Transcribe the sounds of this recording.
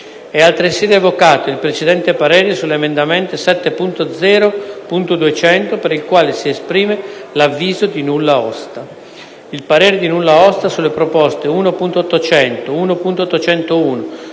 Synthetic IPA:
ɛalt̪ɾeseːd̪evokaːt̪oilpɾet͡ʃed̪ɛnt̪epaɾeːɾesulːeːmend̪ament̪esɛt̪ːepunt̪od̪zɛːɾopunt̪od̪uet͡ʃɛnt̪opeɾilkwaːlesiespɾiːmelavːiːzod̪inulːaɔst̪a | ilpaɾeːɾed̪inulːaɔst̪asulːepɾopɔst̪euːnopunt̪ot̪ːot͡ʃɛnt̪ouːnopunt̪ot̪ːot͡ʃɛnt̪ouːno

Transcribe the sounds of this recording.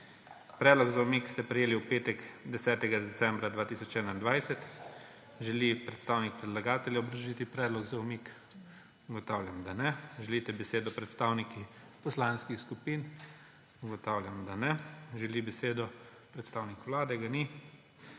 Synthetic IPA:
pɾɛːd̪lɔɡzawmikst̪ɛpɾɛjeːliupeːt̪ɛɡd̪ɛsɛːt̪ɛɡad̪ɛt̪sɛmbɾad̪ʋaːt̪isɔt͡ʃɛːnaind̪ʋajsɛt̪ | ʒɛlipɾɛt̪st̪aːwnik̚pɾɛd̪laɡaːt̪ɛljaɔbɾɐʒit̪ipɾɛːd̪lɔɡzawmik | uɡɔt̪awljamd̪anɛʒɛlit̪ɛbɛseːd̪ɔpɾɛt̪st̪aːwniki | pɔslaːnskixskupiːn | uɡɔt̪aːwlʲjamd̪anɛʒɛlibɛseːd̪ɔ | pɾɛt̪st̪aːwnikwlaːd̪ɛɡani

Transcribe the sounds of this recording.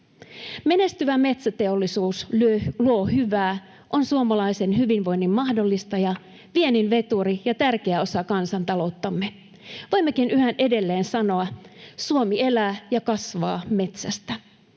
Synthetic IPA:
me̞ne̞st̪yʋæme̞t̪sæt̪e̞olːisuːsluohyʋæː | ʔo̞nsuomɑlɑise̞nɦyʋinʋo̞jnːimmɑhdo̞lːist̪ɑjɑ | ʋieninʋe̞t̪uɾijɑt̪ærk̟eæo̞sɑkɑnsɑnt̪ɑlo̞ut̪ːɑmːe | ʋo̞jmːekinyhænʔe̞de̞lːeːnsɑno̞ɑsuomie̞læːjɑkɑsʋɑːme̞t̪sæst̪æ

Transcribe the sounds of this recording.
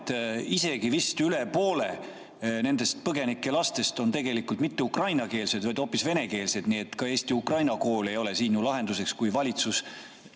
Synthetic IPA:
t̪ise̞ɡ̥ivist̪yle̞po̞ːle̞ | ne̞nd̪̥e̞st̪̚pɤɡe̞nikˑːe̞lɑst̪e̞st̪o̞nt̪e̞ɡe̞likult̪mit̪ːeukrɑjnɑke̞ːlse̞d̪vɑjd̪̥o̞ːpːˑisve̞ne̞ke̞ːlse̞d̪niːe̞t̪ːkɑe̞ːst̪iukrɑjnɑko̞ːle̞jo̞le̞siːnjulɑɦe̞nd̪use̞kskujvɑlʲit̪sus

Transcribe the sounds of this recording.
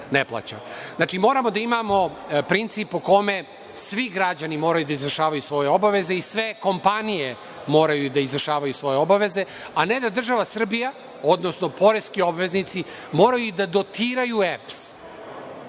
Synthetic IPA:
neplˠa̰t͡ɕa̰znat͡ʃimo̞ːɾamo̞d̪aimamo̞pɾint̪sipuko̞me̞ | sʋiɡɾad͡ʑanimo̞ːɾajud̪aizvɾrʃaːʋajusʋo̞jeo̞baʋe̞zeisʋe̞ko̞mpanije | mo̞ːɾajud̪aizvr̩ʃaːʋajusʋo̞jeobaʋe̞ze̞ | aned̪ad̪r̩ʒaʋasr̩bija | o̞d̪nosno̞po̞ɾest̪kio̞bʋe̞znit̪si | mo̞ːɾajuid̪ad̪o̞t̪iːɾajueps

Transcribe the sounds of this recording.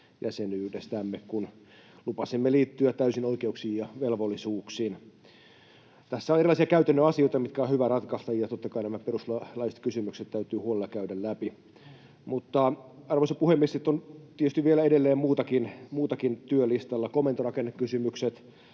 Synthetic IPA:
jæsenyhdest̪æmːekun | lupɑsimːeliːt̪ːyæt̪t̪æysinoikeuksiːjjɑʋelʋolːisuːksiːn | t̪æsːæonerilˑɑˑisiɑkæyt̪ænːøɑsioit̪ɑmit̪kæonhyʋæɾɑt̪kɑst̪ɑjɑt̪ot̪ːɑkɑinæmæperusllɑise̥t̪kysymykset̪t̪æyt̪yːhuolelːɑkæydællæpi | mut̪ːɑɑrʋosepuhemːiest̪it̪ːont̪iet̪yst̪iʋʋielæedelːeːmmuːt̪ɑkinmuːt̪ɑkint̪yølist̪ɑlːɑkomːˑent̪orɑkenːekkysymykset̪

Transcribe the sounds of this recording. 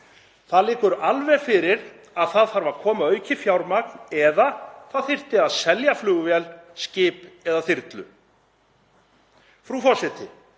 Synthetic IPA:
θaðlɪːkʏɾalvɛɾfɪɾɪɾ | aðθaðθaɾvaɾ̥kʰɔːmaœɥcɪfjawɾmak̚nɛðaθaðθɪr̥t̪ɪaðsɛljaflʏːɣʏvɛlscɪːpɛðaθɪɾt̪lʏ̰ | fɾufɔsɪt̪ɪ

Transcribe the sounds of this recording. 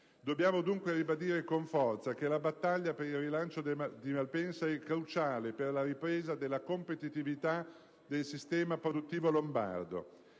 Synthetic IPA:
d̪obːjaːmod̪uŋkweɾibad̪iːɾekoɱfɔrt̪sak̟elabat̪ːaʎːapeɾilrilant͡ʃod̪imalpɛnsaɛkːɾut͡ʃaːleperlaɾipɾeːzad̪elːakompet̪it̪ivit̪a | d̪elsist̪ɛːmapɾod̪ut̪ːiːvolomba̰rd̪o̰

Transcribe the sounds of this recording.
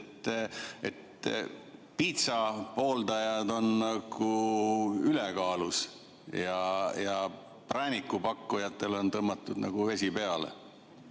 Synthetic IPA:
t̪ːet̪ | pit̪sɑpo̞ːld̪ɑjɑd̪o̞nnɑɡ̥u | yleɛkɑːlus | jɑjɑ | prænʲikːˑupɑkːujɑt̪ːˑe̞lo̞nt̪ɤmːɑt̪ˑːud̪nɑ̰ɡ̥uve̞sʲipe̞ɑlḛ

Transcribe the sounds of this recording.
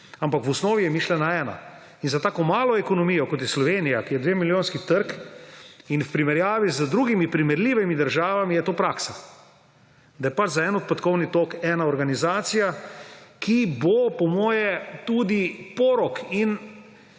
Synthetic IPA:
ampakʋɔsnɔːʋijɛmiʃlɛnaɛːna̰ | inzat̪aːkɔmaːlɔɛkɔnɔmiːjɔkɔt̪jɛslɔʋeːnijakijɛd̪ʋeːmiljoːnskit̪əɾk | infpɾimɛɾjaːʋizəd̪ɾuːɡimipɾimɛɾliːʋimid̪əɾʒaːʋamijɛt̪oːpɾaːksa | d̪ajɛpad͡ʒzaɛːnɔt̪̚pɛt̪kɔwnit̪oːkɛːnaɔɾɡanizaːt̪sijakʰibopɔmɔːjɛt̪uːd̪ipɔːɾɔkin

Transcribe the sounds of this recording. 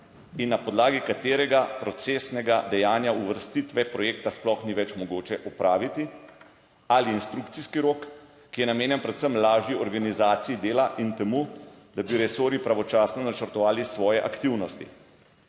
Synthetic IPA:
inːapɔd̪laːɡikat̪eːɾɛɡapɾɔt̪seːsnɛɡad̪ɛjaːnjauʋəɾst̪it̪ʋɛpɾɔjeːkt̪asplɔxniʋɛt͡ʃmɔɡoːt͡ʃɛʔɔpɾaːʋit̪i | aliːnst̪ɾukt̪siskiɾoːkː | ijɛnameːnjɛnpɾɛt̪səmlaːʒjiɔɾɡanizaːt̪sijid̪eːlaʔint̪ɛmuːd̪abiɾɛsoːɾjipɾaʋɔt͡ʃaːsnɔnat͡ʃəɾt̪ɔʋaːlisʋɔːjɛʔa̰kt̪iwnɔst̪ḭ

